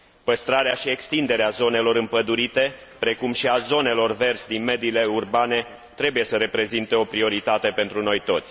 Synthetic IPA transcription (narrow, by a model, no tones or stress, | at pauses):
pəst̪ɾaɾeaʃie̞kst̪ind̪e̞ɾeazo̞ne̞lo̞ɾɨmpəd̪uɾit̪e̞ | pɾe̞kumʃiazo̞ne̞lo̞rve̞rsd̪inme̞d̪ile̞urbane̞ | t̪ɾe̞buje̞səɾe̞pɾe̞zint̪e̞o̞pɾio̞ɾit̪at̪e̞pent̪ɾuno̞jt̪o̞t̪sʲ